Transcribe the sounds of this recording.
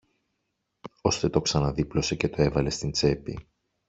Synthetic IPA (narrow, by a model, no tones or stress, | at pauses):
o̞st̪e̞t̪o̞ksɐnɐðiplo̞se̞ce̞t̪o̞evɐle̞st̪int͡se̞pḭ